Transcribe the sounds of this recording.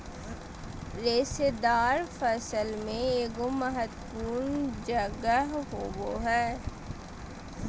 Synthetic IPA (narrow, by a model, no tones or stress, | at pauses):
ɾeːsed̪aːɾfəsəlmẽeːɡoməɦət̪puːnd͡ʒəɡəɦɦoɡoɦɛː